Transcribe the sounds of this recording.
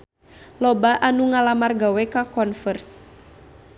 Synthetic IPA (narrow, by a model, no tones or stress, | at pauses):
lɔbaʔanuŋalamarɡawɛkakɔnfərs